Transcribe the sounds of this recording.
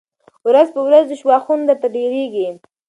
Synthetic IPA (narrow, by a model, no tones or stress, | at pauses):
wɾazpəwɾazd̪əʃwɑxund̪əɾt̪aɖeɾeɡi